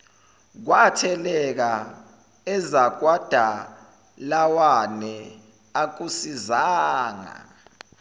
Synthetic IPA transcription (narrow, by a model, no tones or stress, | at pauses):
k̬watʰɛlɛk̬a | ɛzak̬wad̥ʱa | lawanɛ | ak̬usizaːŋa̰